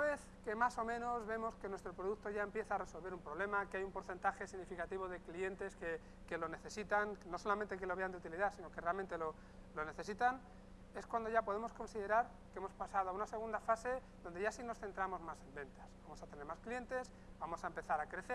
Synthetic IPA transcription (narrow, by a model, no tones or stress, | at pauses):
unaβe̞θ | ke̞maso̞mẽ̞no̞zβe̞mo̞ske̞nwe̞st̪ɾopɾo̞ð̞ukt̪o̞ʝae̞mpje̞θaːre̞so̞lβe̞ɾumpɾo̞β̞le̞makeajumpo̞ɾθent̪axe̞siɣnifikat̪iβ̞o̞ð̞e̞klie̞nt̪e̞ske | ke̞lo̞ne̞θe̞sit̪aŋno̞so̞lamẽnt̪e̞ke̞loβe̞and̪eut̪iliðasino̞kerealment̪elo̞ | lo̞ne̞θe̞sit̪an | e̞skwand̪o̞ʝapo̞ð̞e̞mo̞sko̞nsiðe̞ɾaɾ | kee̞mo̞spasaðoaunase̞ɣ̞und̪afase̞ | ðo̞nd̪e̞ʝasino̞sθe̞nt̪ɾamo̞zmase̞mbẽ̞nt̪asbamo̞sat̪e̞ne̞ɾmasklije̞nt̪e̞s | bamo̞saempe̞θaɾakɾe̞θe